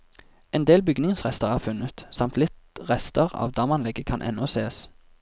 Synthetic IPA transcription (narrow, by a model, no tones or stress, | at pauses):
ɛnd̪eːlbʏɡnɪŋŋsʁɛst̪əʁæːʁfʉnət̪sɑmt̪lɪt̪ʁɛst̪əʁɑ̰ːʋd̪ɑːmɑnlɛɡəkʰɑnʔɛ̰nːɔseːs